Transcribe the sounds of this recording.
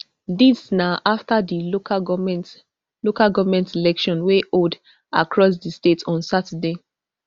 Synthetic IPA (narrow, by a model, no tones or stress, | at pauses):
disnaʔaftadioant | lokaɡɔvmɛ̃ntilɛkʃɔ̃nweʔod | a̰kɹɔs̬distetʰɔ̃nsatade